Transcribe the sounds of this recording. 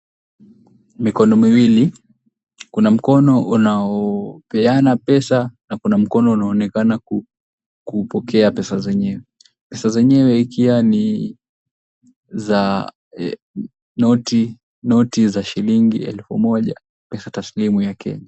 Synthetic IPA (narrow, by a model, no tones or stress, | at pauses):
mikɔnɔmiwili | kunam̩kɔnɔʔunaɔpɛanapɛsanakunam̩kɔnɔunaɔːnɛkanaku | kupɔkʰɛapɛsazɛɲɛwɛ | pɛsazɛɲɛwɛikʰiwani | za | nɔti | nɔtizaʃiliŋɡiɛlfṵmɔʄa̰ | pɛsataslimujakʰɛ̰ɲa